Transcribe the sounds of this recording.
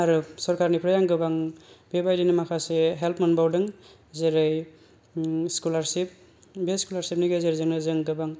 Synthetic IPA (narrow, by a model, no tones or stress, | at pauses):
aɾɯsɔɾkʰaɾnipʰɾɯjaŋɡɯbaŋbebajdinɯmakʰaseɦelpʰmanbawdɯŋ | zeɾɯj | skulaɾsip̚ | beskulaɾsip̚niɡezeɾzɯŋnɯzɯŋɡɯbaŋ